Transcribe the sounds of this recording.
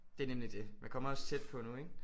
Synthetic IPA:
d̥e̝ænemlid̥e̝mænkʰɒ̽mɐɒ̽st͡sʰed̥̚pʰɒ̽nueŋ̥

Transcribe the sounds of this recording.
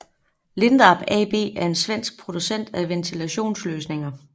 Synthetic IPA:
le̝nd̥ɑb̥ɛ̰b̥e̝̰ːæɐe̝nsʋen̰sɡ̥̚pʰʁo̝d̥usen̰d̥æʋent͡sʰilæɕo̝̰ːnsløːsne̝ŋɐ

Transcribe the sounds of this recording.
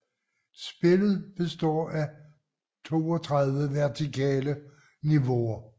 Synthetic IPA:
sb̥e̝ləð̞̩ˠb̥e̝sd̥ɒ̰ːæ | t͡sʰo̝̰ːɒt͡sʰʁɑð̞ˠʋəʋæɐt͡sʰikʰɛ̰ːlə | niʋo̝ɐ

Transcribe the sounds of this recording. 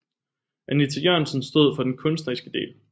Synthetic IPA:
ʔænit͡sʰejøɐ̰nsənsd̥ɔ̝ð̞̰ˠfɒ̽d̥enkʰɔ̽nsd̥ɐʁisɡ̥əd̥e̝̰ːl

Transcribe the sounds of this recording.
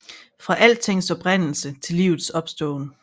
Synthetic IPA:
fʁɑ̈ʔæl̰̚t͡sʰe̝ŋ̰sɒ̽b̥ʁan̰l̩sət͡sʰe̝liːʊð̩ˠsɒ̽b̥sd̥ɔ̽ːnə

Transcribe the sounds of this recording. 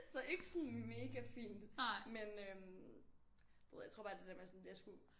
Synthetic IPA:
sɒ̽ʔe̝ɡ̥əsɔnme̝ːɡ̥æfḭːnd̥menøm | eðˠjat͡sʰʁo̰ːb̥ɑːd̥ed̥æɐmesɔnd̥ejasɡ̥u

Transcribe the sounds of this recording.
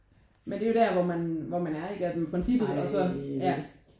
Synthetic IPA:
mend̥e̝jo̝d̥æɐʋɒmænʋɒmænæɐe̝ɡ̥əæd̥empʰʁɛnsib̥ð̩ˠɒ̽sɒ̽jæ

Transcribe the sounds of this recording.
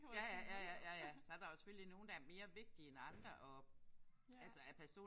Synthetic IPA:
jæjæjæjæjæjæsɒæɐd̥ɑ̈jo̝se̥føl̰lino̝ːnd̥ɑæɐme̝ːɐʋe̝ɡ̥̚d̥ienɑ̈nd̥ʁɐʔɒ̽ | ælsəæpʰæɐso̝̰ː

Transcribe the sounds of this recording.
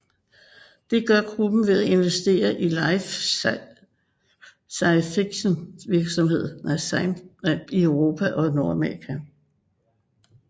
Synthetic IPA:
d̥e̝ɡ̥ɶɐɡ̥ʁub̥n̩ʋe̝ðˠæe̝nʋesd̥e̝̰ːɐʔilɪ | sɑ̈ɪnsfiɡ̥ɕonʋiɐɡ̥sɒ̽mɦe̝ð̰ˠæ | iøʊʁo̝ːpʰæʔɒ̽no̝ɐæmeʁikʰæ

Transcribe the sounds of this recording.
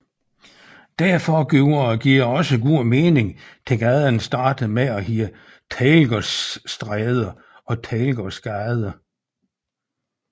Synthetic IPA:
d̥æɐfɒɡ̥oʊɐɡ̥iɐ̰ɒ̽səɡ̥ṵme̝ːne̝ŋt͡sʰe̝ɡ̥æðˠɐnsd̥ɑ̈ːd̥ð̩ˠmeɒɦiːə | t͡sʰɛːlɡ̥ɒsːd̥ʁɛːð̞ˠɐ | ɒ̽t͡sʰɛːlɡ̥ɒsɡ̥ɑɪð̞ˠɐ

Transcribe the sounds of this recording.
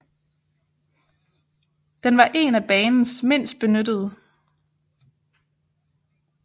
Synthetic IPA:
d̥enʋɑ̈ʔe̝̰næb̥ɛːnn̩sme̝n̰sd̥̚b̥e̝nød̥əð̞̩ˠ

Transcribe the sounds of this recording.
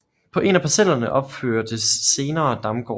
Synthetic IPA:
pʰɒ̽ʔe̝næpʰæsel̰ɐnəʔɒ̽b̥føɐd̥əsːe̝ːnɐːd̥ɑ̈mɡ̥ɒ̰

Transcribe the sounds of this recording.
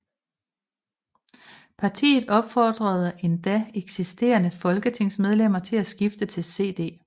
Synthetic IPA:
pʰɑ̈t͡sʰḭːð̩ˠɒ̽b̥fɒːd̥ʁɐð̞ˠəe̝nd̥æeɡ̥sisd̥e̝̰ːɐnəfɒ̽lɡ̥ət͡sʰe̝ŋ̰smeð̞ˠlem̰ɐt͡sʰe̝læsɡ̥ifd̥ət͡sʰe̝lse̝̰ːd̥e̝̰ː

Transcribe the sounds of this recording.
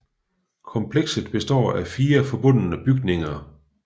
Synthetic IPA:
kʰɒ̽mpʰleɡ̥səð̥ˠb̥e̝sd̥ɒ̰ːæfiːɐfɒ̽b̥ɔ̽n̰ənəb̥yɡ̥ne̝ŋɐ

